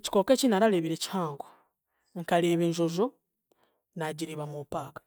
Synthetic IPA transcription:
ci̥ko̞ːkeːcinaɾaleβiɾe̞ci̥haːŋɡo | ŋkaleːβeːɲʒo̞zo | naɟiɾiβamupaːkḁ

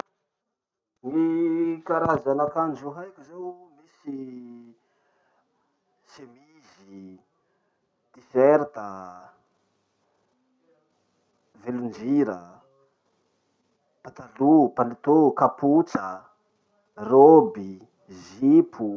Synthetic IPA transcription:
nikaɾazanakand͡ʒuɦajkʲuzemisi | semi | zi | d̪̥ifeɾt̪ə | velund͡ʒiɾə | pat̪alupanit̪okaput͡sə | robi | zipʰu

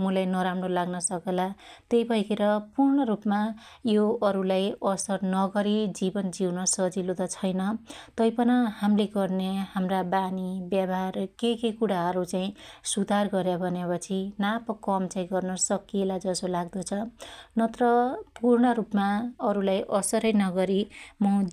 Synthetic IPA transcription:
mulajnʌɾamrolaɡnʌsʌkelat̪ejbʱʌjkʰeɾʌpurɳʌɾupmajoʌɾulajʌsʌrnʌɡʌɾid͡zibʌnd͡ziwnʌsʌd͡zilod̪at͡sʰʌjnʌt̪ʌjpʌnahamleɡʌrnehamrabanibjabʱarkekekuɽaɦʌɾut͡saĩsud̪ʱarɡʌɾjabʱʌnepʌt͡sʰinapʌkʌmt͡saĩɡʌrnʌsʌkielad͡zʌsolaɡd̪ʌt͡sʰʌnʌt̪ʌɾʌpurɳʌɾupmaʌɾulajʔʌsʌɾʌjnʌɡʌɾimʌ

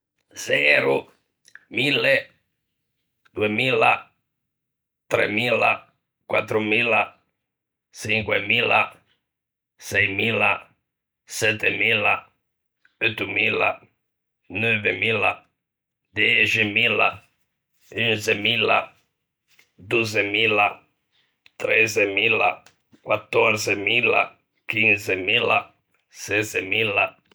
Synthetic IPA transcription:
zɛɾu | milːe | d̪uemiːla | t̪ɾḛmiːla̰ | kwat̪ːɾumila | t͡ʃiŋkwemiːla̰ | sɛjmila | sɛt̪ːemiːla | øt̪ːumiːla̰ | nwøvemila̰ | d̪ɛt͡ʃemila̰ | ynsemila̰ | d̪uzemila | t̪ɾezemila̰ | kwat̪ːoɾsemila̰ | kinsemila̰ | sesemila

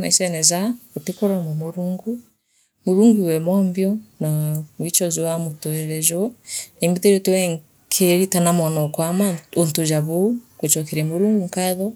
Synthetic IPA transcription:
na̰isɛnɛzakotekoɾanamoɾuːŋɡu | moɾuːŋɡuwɛmɔmbjɔnawit͡ʃɔzowamotoɛɾɛʒɔnembiðeɾɔtewɛŋ | kʰeɾitanamwanɔkwamaontod͡ʒaβokot͡ʃɔkɛɾɛmoɾuːŋɡuŋkaðɔ

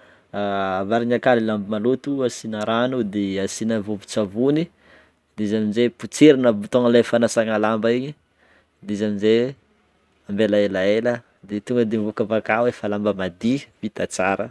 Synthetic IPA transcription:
avaɾiɲakalilambimalut̪uasinaɾanud̪easinəvovi̥t͡savuni | d̪ezaminzeput͡seɾinəvt̪oŋəlefanasaŋalambaiɲi | d̪ezaminze | ambelaelaelə | d̪et̪uŋɡəd̪emvukavakawefalambəmad̪ivit̪at͡saɾə

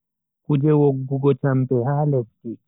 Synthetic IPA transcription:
kud͡ʒɛwoɡːuɡɔt͡ʃampɛhaːlɛski

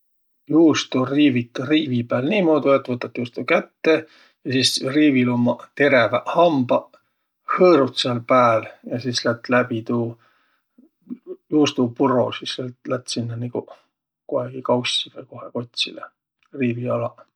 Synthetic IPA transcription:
juːst̪uriːvit̪ːriːvipæːlniːmo̞ːd̪uet̪ːˑvɤt̪ːˑɑt̪ːjuːst̪ukæt̪ːe | jɑsiːsriːvilumːɑt̪e̞ɾevæhɑmbɑ | hɤːɾut̪seɑlpæːljɑsiːslæt̪ːˑlæbit̪uː | juːst̪upuro̰sislelt̪læt̪ːsinːɑniku | koeɡ̥ikɑwsʲivejko̞heko̞t̪ʲsḭle | riːviɑlɑ

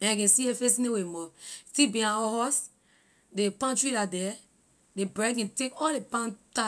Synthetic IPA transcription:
ɛ̃akɛ̃siefes̬inewemɔstibĩãɔhɔs | depãntɹiladɛ | debɹɛɡɛ̃tekɔllepãnta

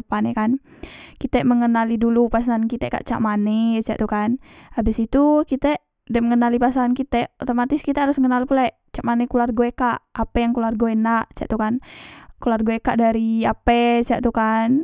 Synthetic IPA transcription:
əpanɛkan | kit̪ɛməŋənalidulupasaankit̪ɛka̰ʔt͡ʃa̰ʔmanɛt͡ʃa̰ʔt̪ukanabɪsit̪ukit̪ɛ | dɛməŋənalipasaankit̪ɛʔot̪omat̪ɪskit̪ɛhaɾʊsŋənalpulaɛʔt͡ʃaʔmanɛkularɡoekaʔapɛjaŋkularɡoenaʔt͡ʃa̰ʔt̪ukankularɡoekaʔdaɾiapɛt͡ʃaʔt̪ukan

